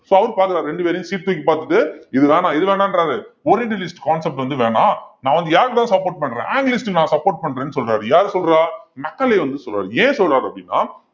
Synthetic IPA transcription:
soːɐʋɐɾpaːɾkɯɾaːɾɾɛɳɖɯpeːɾɐjʊ̃siːʈt̪ːuːk̬ʲːɯpaːɾt̪ɯʈːɯɪðɯʋeːnãːɪðɯʋeːnaːnɖɾaːɾɯɔɾɪɖɯlɪsʈkaːnsɛp̚ʈʋɐnd̪ɯʋeːɳãːnãːʋɐnd̪ɯjaːɾɣɐt̪ãːsɐpːoːɾʈ̚pɐɳːɾḛ̃ːaːŋɡlɪsʈɯnãːsɐpːoːʈ̚pɐɳːɾẽːnːɯsɔlɾaːɾɯjaːɾsɔlɾaːmɐkːɐleːʋɐnd̪ɯsɔlɾa̰ːɾẽːsɔlɾaːɾɐpːɽinːa̰ː

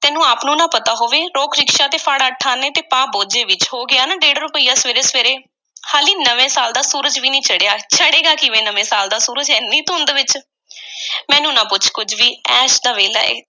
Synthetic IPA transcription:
t̪ɛːnũːaːpnũːnãːpət̪aːɦoːʋeːɾoːkʰɾɪkʃaːt̪eːfʰaːɽaːʈʰːaːneːt̪eːpãːboːd͡ʒeːʋɪt͡ʃɦoːɡɪaːnaːɖeːɽɾʊpəiːjaːsʋeːɾeːsʋeːɾeː | haːliːnəʋẽːsaːld̪aːsuːɾəd͡ʒʋiːnĩːt͡ʃʰəɽejaːt͡ʃʰəɽeːɡaːkɪʋeːnəʋẽːsaːld̪aːsuːɾəd͡ʒɛnĩːt̪ʊ̃nd̪eʋɪt͡ʃ | mɛ̃ːnũːnãːpʊt͡ʃʰkʊd͡ʒʰʋiːɛːʃd̪aːʋeːla̰ːḛː

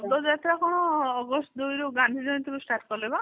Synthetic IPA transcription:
d̪ɔd͡ʒat̪ʰɾakɔɽ̃ɔːɡɔsʈd̪ujɾuɡãnd̪ʱid͡ʒɔ̃nt̪ʰikusʈaɾʈkɔleba

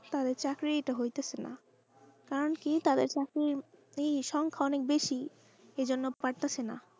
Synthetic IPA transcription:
t̪ad̪eɾt͡ɕakɾieʈaɦojt̪at͡ɕʰena̰ | kaɾonkit̪ad̪eɾt͡ɕakɾiɾejʃɔŋkʰaɔnek̚beʃi | ed͡ʑonːopaɾt̪at͡ɕʰena̰

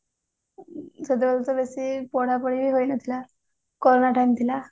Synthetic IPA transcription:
səd̪ebəlt̪əbesipɔɽ̤apəɽibiːɦojnət̪ila | kɔɾonaʈant̪ila

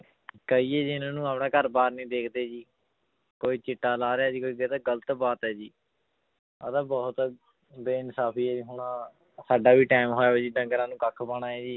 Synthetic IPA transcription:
kəiːɛːd͡ʒnãːnũːaːpɳãːkəɾbaːɾnĩːd̪eːkʰd̪eːd͡ʒiː | koːiːt͡ʃɪʈːaːlaːɾeaːd͡ʒiːkoːiːd̪eːt̪aɡələt̪baːt̪ɦɛːd͡ʒiː | əd̪ãːbɔːt̪ | beːnsaːpʰiːɛːd͡ʒiːɦʊɳãː | saːɖaːʋiːʈaːɪmɦoːjaːʋeːd͡ʒiːɖəŋɡəɾãːnũːkəkʰːbəɽ̃ãːɛːd͡ʒiː

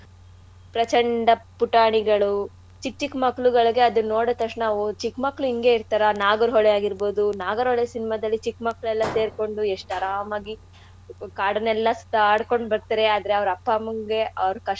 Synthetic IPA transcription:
pɾɐt͡ʃɐɳɖɐpuʈaːɳiɡɐɭu | t͡ʃikːt͡ʃːikmɐkːɭuɡɐɭɡe̞ɐd̪unːoːɽɐt̪ɐʂnaʋut͡ʃikmɐkːɭuiŋɡe̞iɾt̪aːɾɐnaːɡɐɾɦɔɭejaːɡiɾbo̞ːd̪unaːɡɐɾɦɔɭesinimɐd̪ɐlːit͡ʃikmɐkːɭɛlːɐse̞ːɾko̞ɳɖueʂʈɐɾaːmaːɡi | kaːɽɐnɛlːɐst̪aaːɽko̞ɳɖbɐɾt̪ɐɾe̞aːd̪ɐɾeɐʋɐɾɐpːamuŋɡeʔɐʋɾukɐ

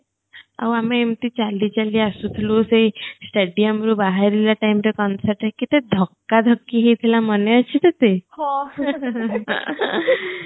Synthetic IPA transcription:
a̰wameemt̪iːt͡salːit͡ɕaliːasut̪ʰluːsesʈeɖijəmɾuːbaɦaɾiljaʈajmɾekɔnsəɾʈɛkit̪ed̪ʱəkːad̪ʱəkːiɦit̪ʰilaməneəɕit̪et̪eha

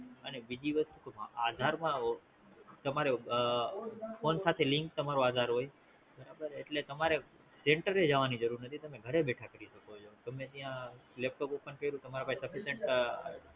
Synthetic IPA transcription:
ənebid͡ʒiʋəst̪ukaad̪ʱaɾmã | t̪əmaɾe | fʰonsat̪ʰeliŋk̚t̪əmaɾoad̪ʱaɾɦoj | bəɾabəɾeʈlet̪əmaɾe | seɳʈəɾed͡ʒaʋanid͡ʒəɾuɾnət̪ʰit̪əmẽɡʱəɾebeʈʰakəɾiʃəkot͡ʃʰot̪əmẽt̪ijãlep̚ʈopupənkəiɾũt̪əmaɾapaisəfiseɳʈ

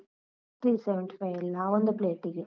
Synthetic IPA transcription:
t̪ɾiːsɛʋɛɳʈi̥fajʋilaʋond̪upleːʈːiɡe

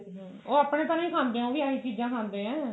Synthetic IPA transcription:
oːaːpɽeːt̪aːnaːiːkʰãːnd̪eːɛ̃oːʋiːaːiːt͡ʃiːd͡ʒãːkʰãːnd̪ẽːɛ̃ː

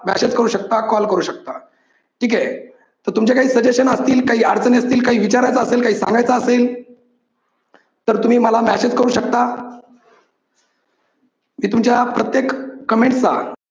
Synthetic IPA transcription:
mæ̰ɕed͡zkəɾuːɕək̚t̪akɔlkəɾuːɕək̚t̪a | ʈʰiːke | t̪əɾt̪umt͡ɕekaɦiːsəd͡ʑeɕənəst̪iːlkaɦiːaɾd͡zəniəst̪iːlkaɦiːʋit͡ɕaɾajt͡saəselkaɦiːsãŋɡajt͡saəsel | t̪əɾt̪um̤iːməlamæɕet͡skəɾuːɕək̚t̪a | miːt̪umt͡ɕjapɾət̪jekːəmeɳʈsa̰

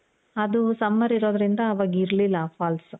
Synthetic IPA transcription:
ɐd̪usɐmːɐɾiɾoːd̪ɾind̪ɐːʋaːɡiɾlilːɐpʰaːls

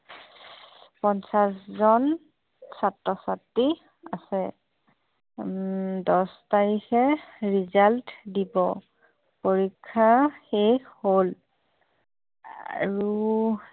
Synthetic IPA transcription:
pɔnsaszɔn | satɹɔsatːi | a̰sɛ | dɔstaɹixɛɹizaltdibɔ | poɹikʰːaxexhol | a̰ɹu

